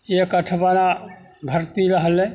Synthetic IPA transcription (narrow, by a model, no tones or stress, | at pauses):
ekəʈʰbana | bʱəɾt̪iɾəɦəlẽ